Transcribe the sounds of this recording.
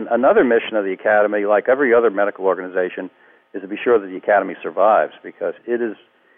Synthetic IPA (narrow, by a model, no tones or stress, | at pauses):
nənʌðə˞mɪʃɨ̃nʌvðiɨkʰæɾɨmilaɪkɛvɹiʌðə˞mɛɾɨkl̩ˠɔɹɡɨnɨzeɪʃɨ̃n | ɨz̥tʰəbiʃʊɹðɨt̪̚ðiɨkʰæɾɨmisə˞vaɪvz̥bɨkʰʌzɪɾɪz̥